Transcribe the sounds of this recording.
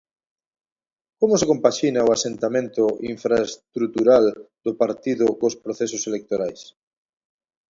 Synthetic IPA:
komosekompaʃinaoasent̪amẽnt̪oiɱfɾaest̪ɾut̪uɾald̪opaɾt̪iðʊkospɾoθesoselek̚t̪oɾajs

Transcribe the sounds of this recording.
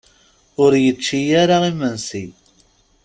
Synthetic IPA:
ʊɾjət͡ʃːijaɾaʁimənsi

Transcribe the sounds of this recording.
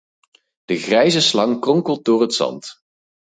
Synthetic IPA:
d̥əχrɛjzəslɑŋkrɔŋkəlˠt̚dʊːrɦətsɑ̰nt

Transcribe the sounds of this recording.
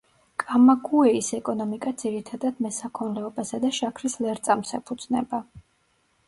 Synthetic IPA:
kʼamakʰuɛisɛkʼɔnɔmikʼad̪z̥iɾit̪ʰad̪ad̪mɛsakʰɔnlɛɔbasad̪aʃakʰɾislɛɾt̪sʼamsɛpʰud̪z̥nɛba

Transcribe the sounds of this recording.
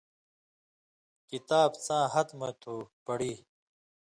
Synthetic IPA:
kit̪aːbt͡sãːɦɐt̪mɐt̪ʰuːpɐɽiː

